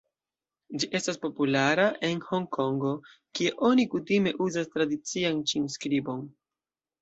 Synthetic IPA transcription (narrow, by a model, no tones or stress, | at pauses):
d͡ʒiʔe̞staspo̞pulaɾaʔe̞nho̞ŋkʰo̞ŋɡo̞ | kie̞ʔo̞nikutime̞ʔuzastɾadit͡siant͡ʃinskɾibo̞n